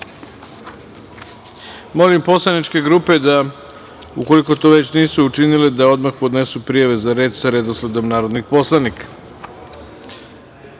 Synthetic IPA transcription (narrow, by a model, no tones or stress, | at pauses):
mo̞limpo̞slˠanit͡ʃke̞ɡɾuːpe̞d̪a | uko̞liko̞t̪o̞ʋe̞t͡ɕniːsuːt͡ʃiniled̪ao̞d̪maxpo̞d̪ne̞supɾijaʋe̞zaɾe̞ːd̪saɾed̪osled̪o̞mnaːɾo̞d̪nixpo̞slˠanikḁ